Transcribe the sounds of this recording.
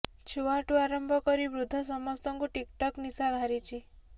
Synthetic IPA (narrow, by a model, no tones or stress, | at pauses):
t͡ʃʰuaʈuaɾɔmbʱɔkɔɾibɾud̪ʱːɔsɔmɔst̪ɔŋkuʈikʈɔknisaɡʱaɾit͡ʃʰi